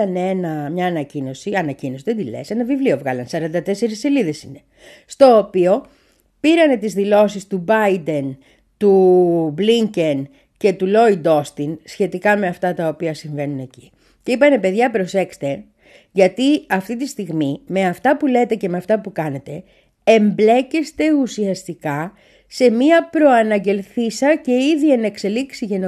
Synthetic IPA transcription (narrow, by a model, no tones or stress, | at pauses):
ɐnee̞nɐmɲɐːnɐcino̞siɐnɐcino̞siðend̪ile̞̰senɐvivlio̞vɣɐlɐnsɐɾɐnd̪ɐt̪e̞se̞ɾisːeliðe̞sine̞ | st̪o̞ːpio̞ | piɾɐne̞t̪izðilo̞sist̪ubɐjd̪e̞n | t̪ubliɲce̞n | ce̞t̪ulo̞id̪o̞st̪insçe̞t̪ikɐme̞ɐft̪ɐt̪ɐopiɐsiɱve̞nune̞ci | ce̞ipɐne̞pe̞ðʝɐpɾo̞se̞kst̪e̞ | ʝɐt̪iɐft̪it̪ist̪iɣmime̞ɐft̪ɐpule̞t̪e̞cemeɐft̪ɐpukɐne̞t̪e̞ | emble̞cest̪e̞usiɐst̪ikɐ | se̞miɐpɾo̞ɐnɐɟe̞lθisɐce̞iðie̞nekse̞liksiʝeno